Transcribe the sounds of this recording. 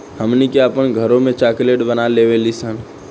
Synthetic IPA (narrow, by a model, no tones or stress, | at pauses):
həmnikeəpənɡʱəɾõmẽt͡ʃaːkleʈbənalewelisən